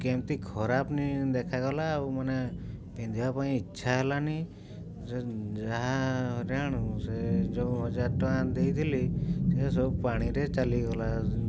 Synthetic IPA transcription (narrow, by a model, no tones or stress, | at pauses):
kemt̪ikʰɔɾapnid̪ekʰaɡɔlaumənepẽnd̪ʱiʋapaĩɪt͡ʃːʃʰaɦɛlani | sed͡ʒaɦaɦɔɾjaɽ̃used͡ʒoɦɔd͡ʒaɾʈɔãd̪ejt̪ʰilisesɔbpaɽ̃iɾet͡ʃaliɡɔla